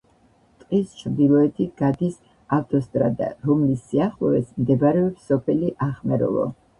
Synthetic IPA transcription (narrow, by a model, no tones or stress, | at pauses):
t̪ʼqʼist͡ʃʰɾd̪ilˠɔɛt̪ʰiɡ̥ad̪is | aft̪ʼɔst̪ʼɾa̰d̪a̰ɾɔmlisːiaχlˠɔɛsmd̪ɛbaɾɛɔpsɔpʰɛliʔaχmɛɾɔ̰lˠɔ̰